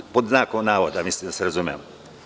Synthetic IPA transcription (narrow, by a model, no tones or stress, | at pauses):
pod̪naːkonaːʋod̪amislid̪aseɾazumḛmo